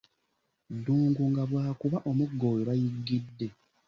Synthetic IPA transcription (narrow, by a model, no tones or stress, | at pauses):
duːŋɡuŋɡaβwaːkuβaʔo̞muɡːo̞ːjeβajiɡːidːe̞